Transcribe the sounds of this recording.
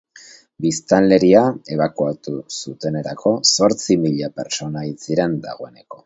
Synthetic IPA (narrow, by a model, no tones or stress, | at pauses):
bist̪anle̞ɾiae̞β̞akuat̪usut̪e̞ne̞ɾakʰo̞so̞ɾt͡simiʎape̞ɾt͡so̞nait͡siɾe̞nd̪a̰ɣo̞e̞ne̞ko̞